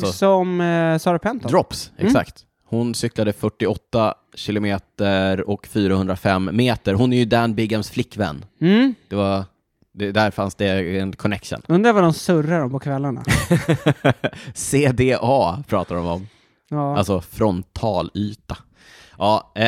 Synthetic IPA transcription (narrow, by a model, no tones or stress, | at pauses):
sɔsɔmsɑːɾapʰɛnt̪ɔd̪ɾɔpsɛ̰kssa̰kt̪ | hʊnsʏklad̪əfœʈːɪɔt̪ːa | ɕɪlʊmeːt̪əɾɔkfyːɾahɵnd̪ɾafɛmːeːt̪əɾɦʊnæɾjɵd̪ænbɪɡamsflɪkːvɛ̰nːd̥̪ɛva | d̪ɛd̪æɾfansd̪ɛɛnkʰɔnɛkʂə̰nɵnd̪ɾavad̪ɔmsɵɾːaɾɔmpɔkʰvɛlːaɳa̰ | seːd̪eːʔɑːpʰɾɑːt̪ad̪ɔmɔmː | alsɔfɾɔnt̪ʰːɑːlyːt̪a | ʔɑː